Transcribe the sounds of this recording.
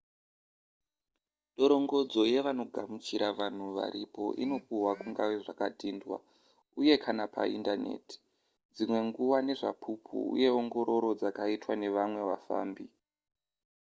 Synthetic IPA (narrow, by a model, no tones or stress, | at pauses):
ɗo̞ɾo̞ŋɡo̞d͡zo̞je̞ʋano̞ɡʱamut͡ʃiɾaʋan̤uʋa̰ɾipo̞̰ʔino̞kuɦwakuŋɡaʋeʐakadʱindwa̰ | uje̞kʰanapʰa̰ḭndane̞̰ti̥ | d͡zimwe̞ŋɡuwane̞ʐa̰pʰupʰṵṵje̞oŋɡo̞ɾo̞ɾo̞d͡zakaitwane̞ʋamwe̞wafa̰ːmbi